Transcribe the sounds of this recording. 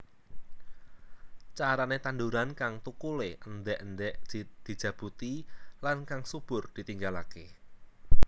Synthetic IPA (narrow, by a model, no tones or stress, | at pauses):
t͡ʃaɾanet̪anduɾankaŋt̪ukuleənd̪ɛʔənd̪ɛʔd̪̥i̤d̥ʒ̥ä̤b̥ṳt̪ilankaŋsub̥ʊrd̪̥i̤t̪iŋɡalake